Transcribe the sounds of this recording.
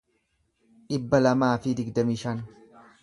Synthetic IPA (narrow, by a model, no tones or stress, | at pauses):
ᶑɪbːɐlɐmaːfɪd̪ɪɡd̪ɐmiːʃɐn